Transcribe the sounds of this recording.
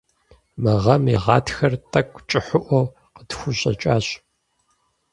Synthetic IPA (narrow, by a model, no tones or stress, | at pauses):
mɨʁɐmjɛʁɑ̰ːtʰxɐrtʰʼɐkʷʼt͡ʃʼɪħʊʔʷɔw | qətxʷʊɕʼɐ̰t͡ʃʼaːɕʼ